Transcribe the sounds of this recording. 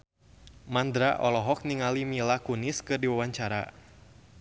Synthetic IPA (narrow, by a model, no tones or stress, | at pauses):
mand̪ɾa̰ʔɔlɔɦɔk̚niŋalimilakunɪskɨrdiwawaɲt͡ʃaɾa̰